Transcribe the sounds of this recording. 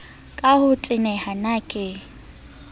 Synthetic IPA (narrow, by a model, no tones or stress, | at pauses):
kʼahʊtʼɪnɛhanakʼɪ